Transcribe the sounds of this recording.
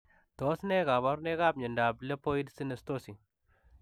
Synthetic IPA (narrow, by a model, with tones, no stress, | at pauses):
t̪o˨˦sne˦ɡa˨βa˦ɾne˦ɣa˦bɲe˨nda˨ble˦po˦i˦dsi˦ne˨st̪o˦si˨